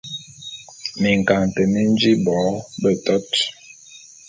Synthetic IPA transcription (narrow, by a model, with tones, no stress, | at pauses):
mi˨ŋ˨ka˨ŋtɛ˨mi˦n˦d͡ʒi˦bɔ˨˦bə˦tɔ˦t